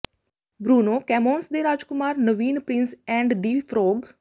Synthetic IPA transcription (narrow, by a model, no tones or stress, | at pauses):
bɾuːnoːkɛːmoːnsd̪eːɾaːd͡ʒkʊmaːɾnəʋiːnpɾɪnsɛ̃ːɳɖd̪iːpʰɾoːɡ